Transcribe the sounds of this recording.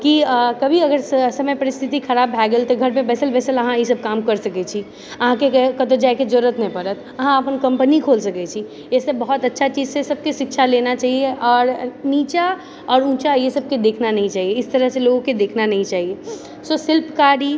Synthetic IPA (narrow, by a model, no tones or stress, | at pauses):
kikəbʱiəɡəɾsəməjpəɾist̪ʰit̪ikʰəɾabːʱɛɡəlt̪ɔɡʱəɾmẽbɛːsəlbɛːsələɦãisəb̚kamkəɾsəkɛt͡ʃʰi | əɦãkekət̪od͡ʒajked͡ʒoɾət̪nəpəɾət̪ʰ | əɦãəpənkə̃mpənikʰolsəkɛt͡ʃʰi | esebəɦut̪ətːʃʰat͡ʃid͡ʒsesəb̚keʃɪkʃʰalenat͡ʃaɦieʔɔːɾnit͡ʃa | ɔːɾũːt͡ʃajesəb̚ked̪ekʰnanəɦĩt͡ʃaːɦieɪst̪əɾəɦseloɡoked̪ekʰnanəɦĩt͡ʃaɦie | sosɪlpkaɾi